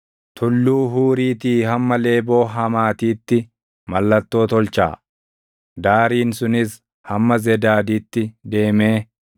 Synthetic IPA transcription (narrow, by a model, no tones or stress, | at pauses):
t̪ʰʊlːuːɦuːɾiːt̪iːɦɐmːɐle̞ːbo̞ːɦɐmaːt̪iːt̪ːɪ | mɐlːɐt̪ːo̞ːt̪ɔlt͡ʃa̰ː | d̪aːɾiːnsʊnɪs | hɐmːɐzɛd̪aːd̪iːt̪ːɪd̪e̞ːme̞ː